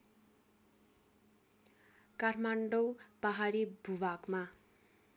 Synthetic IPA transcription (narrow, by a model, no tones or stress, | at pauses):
kaʈʰmaɳɖowpaɦaɾibʱubakma